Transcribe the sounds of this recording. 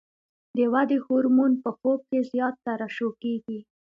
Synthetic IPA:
d̪əwad̪ehuɾmunpəxob̚kezjɑt̪ːaɾaʃokeɡi

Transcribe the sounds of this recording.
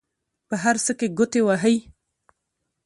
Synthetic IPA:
pəɦaɾsəkeɡʊt̪ewaɦəj

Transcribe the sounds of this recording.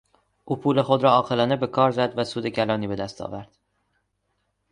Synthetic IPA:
ʔuːpʰuːle̞xod̪ɾɒːɒːqelɒːnebe̞kʰɒːɾzæd̪væsuːd̪e̞cʰælɒːniːbe̞d̪æst̪ʰɒ̰ːvæɾd̪̥

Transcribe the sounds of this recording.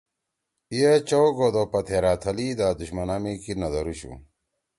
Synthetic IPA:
ijet͡ɕowɡod̪opɐt̪ʰeɾaːt̪ʰɐliːd̪aːd̪uɕmɐnaːmikinɐd̪ɐɾuɕṵ

